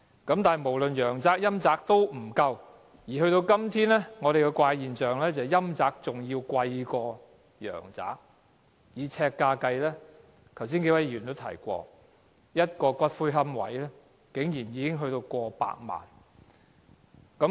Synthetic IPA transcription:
kɐ˨˥mt̪aː˨˩˨jmo˨˩wlɵ˨njœː˨˩ŋt͡saː˨k̚jɐ˥mt͡saː˧˥k̚t̪o˥wm̩˨˩kɐ˧w | jiː˨˩ɦɵ˧ɥt̪o˧wkɐ˥mt̪ʰiː˥nlɛː˥ŋɔː˨˧ɾe˨jkɛ˧kʷaː˧jjiː˨nsœː˨˩ŋlɛː˥t͡sɐ˨jɐ˥mt͡saː˧k̚t͡sʊ˨ŋjiː˧wkwɐ˧jkɔː˧ | jœ̰ː˨˩ŋt͡sa̰ː˨˥k̚ | jiː˨˧t͡sʰɛː˧kːaː˧kɐ˧jlɛː˥ | k̪ʰɐ˨˩wsiː˥nke˧˥jwɐ˨˥jɥyː˨˩nt̪o˥wt̪ʰɐ̰˨˩jkʷɔ̰ː˧ | jɐ˥t̚kɔː˧kʷwɐ˥t̚fuː˥ɦɐ˥mwɐ̰˨˥jlɛː˥ | kɪ˨˥ŋjiː˨˩njiː˨˧kɪ˥ŋɦɵ˧ɥt̪o˧wkʷɔː˧pa̰ː˧k̚ma̰ː˨˩n | kɐ˨˥

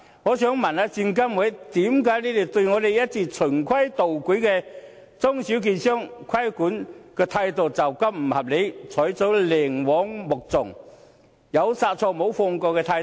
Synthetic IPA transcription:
ŋɔː˨˧˥sœː˨˥ŋmɐ˨˩na˧t͡siː˧nk̬ɐ˥mwɔ˨˥jt̪iː˨˥mkaː˨˥jniː˥t̪e˨˩t̪ɵ˧ɥŋɔː˨˧d̪e˨jɐ˥t̚t͡siː˧t͡sʰɵ˨˩nkʰwɐ˥jt̪o˨wku˨˥kɛ˧ | t͡sʊ˥ŋsi˨˥wk̬iː˨nsœː˥ŋkʰwɐ˥jkuː˨˥nkɛː˧t̪ʰaː˧jt̪o˨˩wt͡sɐ˨wkɐ˥p̚m̩˨˩hɐ˨p̚le˨˧jt͡sʰɔː˨˥jt͡so˨˥wlɛː˨˩ŋwɔː˨˥ŋmʊ˨˩k̚t͡sʊ˨˩ŋ | jɐ˨˧wsaː˧t̚t͡sʰɔː˧mo˨˧˥wfɔː˧ŋkɔː˧wkɛː˧t̪ʰaː˧j

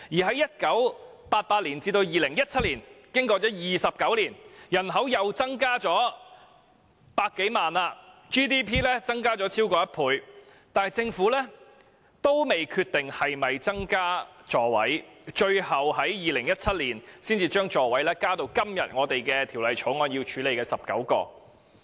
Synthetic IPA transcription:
jiː˨˩ɦɐ˨˥jɐ˥t̚kɐ˨˥wpaː˧t̚paː˧t̚liː˨˩nt͡siː˧t̪o˧wjiː˨lɪ˨˩ŋjɐ˥t̚t͡sʰɐ˥t̚liː˨˩nkɪ˥ŋkɔː˧t͡sɔː˨˥jiː˨sɐ˨p̚kɐ˨˥wliː˨˩njɐ˨˩nɦɐ˨˥wjɐ˨wt͡sɐ˥ŋkaː˥t͡ʃɔː˨˥ | paː˧t̚kːe˨˥jmaː˨naː˧t͡ʃiː˥t̪iː˥pʰiː˥lɛ˥t͡sɐ˥ŋkaː˥t͡ʃɔː˨˥t͡sʰiː˥wkɔː˧jɐ˥t̚pʰuː˨˧j | t̪aː˨˩t͡sɪ˧ŋfuː˨˥lɛː˥ | t̪o˥wme˨jkʰyː˧t̪ɪ˨ŋhɐ˨jmɐ˨jt͡sɐ˥ŋkaː˥t͡ʃɔː˨˧wɐ̰˨˥jt͡ʃɵ˧ɥhɐ˨wɦɐ˨˥jjiː˨lɪ˨˩ŋjɐ˥t̚t͡sʰɐ˥t̚liː˨˩nsiː˥nt͡siː˧t͡ʃœː˥ŋt͡ʃɔː˧wɐ˨˥jlɛː˥kaː˥t̪o˧wkɐ˥mjɐ˨t̚ŋɔː˨˧t̪e˨jkɛː˧t̪ʰi˨˩wlɐ˨jt͡ʃʰo˨˥ŋɔː˧nji˧wt͡ʃʰyː˨˥le˨˩jkɛː˧sɐ˨˩p̚kɐ̰˨˥wkɔ̰ː˧

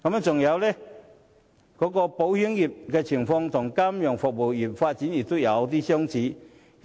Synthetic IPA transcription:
kɐ˨˥mɛ˧˥t͡sʊ˨˩ŋjɐ˨˧wlɛ˦ | kɔː˨˥kɔ˧po˨˥whi˨˥əŋji˨˩p̚kɛː˧t͡ɕʰi˨˩ŋfɔ˧ŋt̪ʰʊ˨˩ŋkaː˥mjɔ˨˩ŋfʊ˨k̚bo˨˩wji˨˩p̚faː˧t̚t͡st͡ɕi˨˥nji˨˩t̪o˥jɐ˨˧˦wt̪̬iː˦˥ɕjɔ˥ŋt͡ɕiː˨˥˦

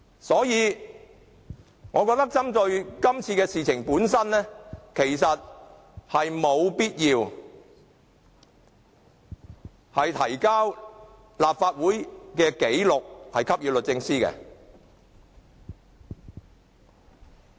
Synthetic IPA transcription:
sɔː˨˥jiː˨˧ | ŋɔː˨˧kɔː˧k̚t̪ɐ˥k̚t͡sɐ˥mt͡sɵ˧ɥkɐ˥mt͡sʰiː˧kɛː˧siː˨t͡sʰɪ˨˩ŋpuː˨˥nsɐ˥nnɛ˥kʰe˨˩jsɐ˨t̚ | hɐ˨jmo˨˧wpiː˥t̚jiː˧w | hɐ˨jt̪ʰɐ˨˩jkaː˥w | laː˨p̚faː˧t̚wuː˨˥jkɛː˧ke˨˥jlʊ˨k̚hɐ˨jkʰɐ˥p̚jiː˨˧wlɵ˨t̚t͡sɪ˧ŋsiː˥kɛ̰˧

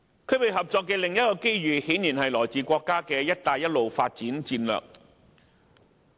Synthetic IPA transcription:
kʰɵ˨˧pe˨jɦɐ˨p̚t͡sɔː˧kːɛː˧lɪ˨ŋjɐ˥t̚kɔː˧ke˥jɥyː˨hiː˨˥niː˨˩nhɐ˨jlɔː˨˩jt͡siː˨˩kʷɔː˧kːaː˥kɛː˧jɐ˥t̚t̪aː˨jɐ˥t̚lo˨wfaː˧t̚t͡siː˨˥nt͡siː˧nlœ̰ː˨k̚

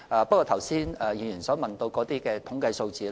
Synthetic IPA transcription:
ʔaː˨pɐ˥kɔː˧t̪ʰɐ˨˩wsiː˥nɐː˨jiː˨˩njyː˨˩nsɔː˨˥ŋmɐ˨nt̪o˧wkɔː˨˧˥t̪iː˥kɛː˧t̪ʰʊ˨˥ŋkɐ˧jso˧wt͡siː˨l

